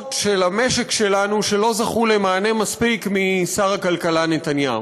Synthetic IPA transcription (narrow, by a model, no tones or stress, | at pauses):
tʃelame̞ʃe̞kʃe̞lanuʃe̞lo̞zaχule̞maːne̞maspikmisaʁakalkalane̞t̪anjaṵ